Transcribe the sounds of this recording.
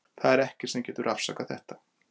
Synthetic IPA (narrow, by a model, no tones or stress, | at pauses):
θaðɛɾɛhcɪ̥sɛmcɛːt̪ʏɾʔafsa̰ːkaθɛ̰ht̪ḁ